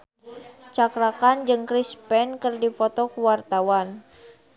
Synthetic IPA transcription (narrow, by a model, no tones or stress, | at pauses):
t͡ʃakɾakand͡ʒɨŋkɾispɛnkɨrdifɔt̪ɔkuwart̪awan